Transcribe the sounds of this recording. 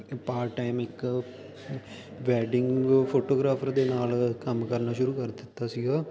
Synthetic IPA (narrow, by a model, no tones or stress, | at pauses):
paːɾʈaːɪmɪk | ʋɛːɖɪŋɡpʰoːʈoːɡɾaːpʰəɾd̪eːnaːlkəmkəɾnaːʃʊɾuːkəɾd̪ɪt̪ːaːsɪɡaː